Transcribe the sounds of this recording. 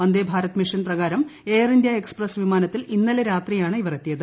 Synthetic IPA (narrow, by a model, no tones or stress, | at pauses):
ɐnd̪eːbʱaːɾɐt̪ːɨmiʂɐnprɐɣaːɾɐme̞ːrind̪jaeksprɐsʋimaːnɐt̪ːilinːɐleɾaːt̪rijaːɳɨiʋɐret̪ːijɐðɨ